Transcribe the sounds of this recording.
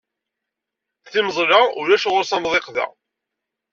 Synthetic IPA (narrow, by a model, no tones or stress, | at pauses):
θiməzˤɾaʊɾæʃʁʊɾsæmðˤeqðæ̰